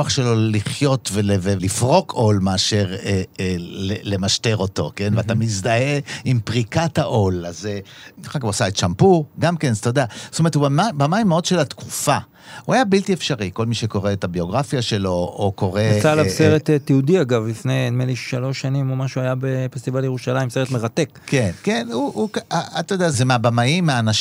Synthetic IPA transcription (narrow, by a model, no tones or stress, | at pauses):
oaχʃelo̞liχjo̞tvelevelifʁo̞kʰo̞lmeaʃe̞ʁelele̞maʃte̞ʁo̞to̞̰ke̞nveat̪amizdahe̞impʁikathaʔo̞lazeχaɡuasaett͡ʃampuɡamke̞nst̪ajd̪eastometuamabamajimeo̞dʃe̞lat̪kʰu̥fa | huajabiltiefʃaʁiko̞lmiʃeko̞ʁeːtabio̞ɡʁafjaʃe̞looko̞ʁet͡salaseʁet̪tjiudiaɡavlifnejmeliʃalo̞ʃanimo̞maʃuajabefest̪ivaljeʁuʃalaimse̞et̪me̞ʁat̪e̞kkenkenuukaat̪ajd̪eazemeabamaimːaːnaʃ